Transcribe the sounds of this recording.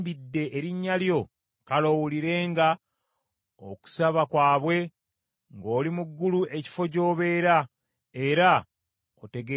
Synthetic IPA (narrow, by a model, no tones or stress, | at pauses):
bidːe̞ʔːɾiɲːaljo̞ | kalo̞wuliɾe̞ːŋɡa | o̰ku̥saβakwaːβwe̞ | ŋɡo̞ːlimuɡːuluʔe̞ci̥fo̞co̞ːβe̞ːɾa | e̞ɾa | ote̞ɡ